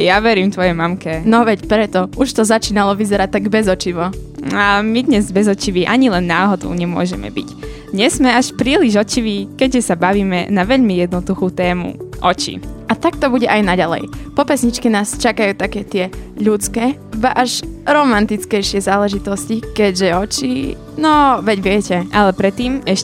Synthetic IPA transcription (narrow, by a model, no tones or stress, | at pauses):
jaʋɛɾiːmt̪ʋɔjɛmamkɛnɔʋɛcpɾɛt̪ɔʔuʃt̪ɔzat͡ʃiːnalɔʋizɛɾac̚t̪ːaɡbɛzɔt͡ʃiʋɔamid̪ɲɛzbɛzɔt͡ʃiʋiʔaɲilɛnːaːɦɔd̪ṵʊɲɛmʊɔ̰ʒɛ̰mɛ̰bḭc | d̪ɲɛz̥mɛaʃpɾiːliʒɔt͡ʃiʋiːkɛɟʒɛsabaʋiːmɛnaʋɛʎmijɛd̪nɔd̪uxuːt̪ɛːmṵʔɔt͡ʃḭat̪ak̚t̪ɔbuɟɛʔajnaɟalɛ̰jpɔpɛsɲit͡ʃkɛnaːst͡ʃakajuːt̪akɛːt̪ɪɛʎut͡skɛː | ʋaʔaʃɾɔmant̪it͡skɛjʃɪɛzaːlɛʒit̪ɔscikɛɟʒɛɔt͡ʃḭ | nɔʋɛɟʋɪɛcɛʔalɛpɾɛt̪ːiːmɛʃ